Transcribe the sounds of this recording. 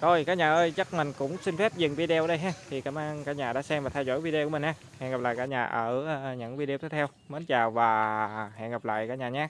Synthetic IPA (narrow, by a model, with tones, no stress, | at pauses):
t̪ʰo˧jkaː˦˥k̚ɲaː˨˩ʔəː˧jt͡ɕə˦˥k̚mɛ˨˩ŋ̟kʊ̰˧˥ŋ͡msï˧n̟fɛ˦˥p̚zɨ˨˩ŋvi˧ɗe˧əː˨˧˦ɗə˧jɦaː˧˦t̪ʰi˨˩kaː˧˩mʔaː˧ŋkaː˦˥k̚ɲaː˨˩ɗa̰ː˧˥sɛ˧mvaː˨˩t̪ʰa˧jzo˧˥jvi˧ɗe˧ku˧˩˦m̟˨˩haː˧˦hɛ̰˧˨nɣa˨˩p̚la̰ː˧˨kaː˧˥ɲaː˨˩ʔəː˧˩˧ɲə̰˧˥ŋvi˧ɗe˧t̪ʰe˨˦˥t̪ʰɛ˧w | mo˨˦nt͡ɕaː˨˩wvaː˨˩hɛ̰˧˨nɣa˨˩p̚la̰ː˧˨jkaː˨˦k̚ɲaː˨˩ɲaː˧˦